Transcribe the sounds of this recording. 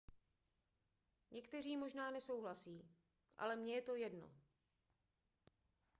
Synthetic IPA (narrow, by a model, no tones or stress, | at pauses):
ɲɛkt̪ɛr̝iːmo̞ʒnaːnɛso̞wɦlasiː | ʔa̰lɛmɲɛjɛt̪o̞jɛdno̰